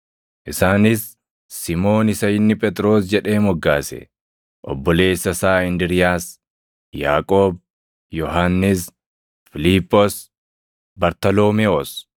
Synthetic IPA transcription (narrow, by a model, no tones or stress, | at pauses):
ʔɪsaːnɪsː | ɪmo̞ːnɪsɐjɪnːɪpʼɛt̪ʼɾo̞ːsd͡ʒɛᶑe̞ːmɔɡːaːsɛ̰ | ʔɔ̰bːɔle̞ːsːɐsaːɪnd̪ɪɾɪjaːs | ja̰ːkʼoːb | jɔɦaːnːɪs | fɪliːpːɔs | bɐɾt̪ɐlo̞ːmeɔs